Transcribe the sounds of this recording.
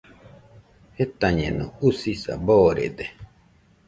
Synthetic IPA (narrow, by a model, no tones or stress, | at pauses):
het̪aɲẽnṵ̃usisa̰boːɾḛd̪e